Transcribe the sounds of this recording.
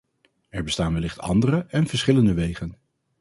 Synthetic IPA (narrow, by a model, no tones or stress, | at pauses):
ɛɹbəstaːnʋɛlɪχtɑ̰ndərəʔɛnv̥əɹsχɪləndəʋejχən